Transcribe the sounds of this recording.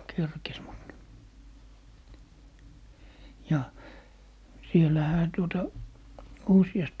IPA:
kerkes mut jɑ sielˑæhæ tuotɑ usiɑst

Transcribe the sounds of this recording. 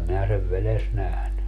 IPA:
minæ seʋ ʋeles næhny

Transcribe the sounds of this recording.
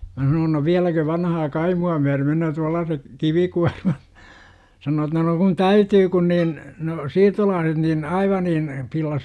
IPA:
mæ sɑnoːn no ʋiælækø ʋɑnɑhɑː kɑimuɑ myær menøː tuɑlːɑːsek kiʋikuɑrmɑt sɑnoː etːæ no kun tæytyː kun niːn no siːrtolɑːset nin ɑiʋɑ niːn pilːɑs

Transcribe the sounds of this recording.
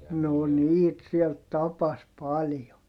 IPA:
no niːt siel tɑpɑs pɑljo

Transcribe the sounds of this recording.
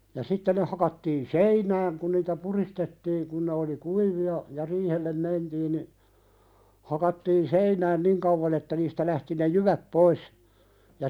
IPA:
jɑ sitːe ne hɑkɑtːiːn seinæːŋ kun niːtæ puristetːiːŋ kun ne oli kuiʋiɑ jɑ riːhelːem mentiːn ni hɑkɑtːiːn seinæːn niŋ kɑuʋɑn etːæ niːstæ læhti ne juʋæp pois jɑ

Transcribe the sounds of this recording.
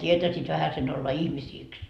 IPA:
tʲietæsiːt ʋæhæsen olːɑ ihmisiːks

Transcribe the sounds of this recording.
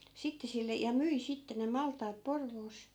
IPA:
sitːe silːe jɑ myi sitːe ne mɑltˑɑːt porʋoːs

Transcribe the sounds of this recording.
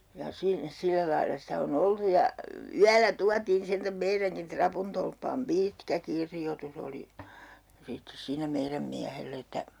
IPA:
jɑ si silːæ lɑilːɑ sitæ on oltu jɑ y yælæ tuɑtiːn sentæm meiræŋkin trɑpuntolpːɑːm piːtkæ kirjotus oli sitːes siːnæ meiræm miæhelː etːæ

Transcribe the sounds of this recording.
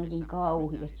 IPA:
olʲ niŋ kɑuhiɑs

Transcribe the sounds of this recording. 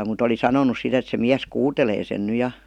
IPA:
mut oli sɑnonus sit et se miæs kuːteleː sen ny jɑ

